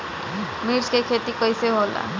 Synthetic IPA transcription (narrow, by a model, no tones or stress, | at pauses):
miɾt͡ʃkekʰet̪ikɔjseɦola̰